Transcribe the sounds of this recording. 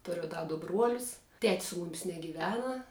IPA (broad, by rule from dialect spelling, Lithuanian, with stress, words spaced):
ˈtʊrʲʊ ˈdɐ dʊ ˈbruɔlʲʊs ˈtʲɛtʲs sʊ ˈmʊmʲɪs nʲɛɡʲiːˈʋʲæːnɐ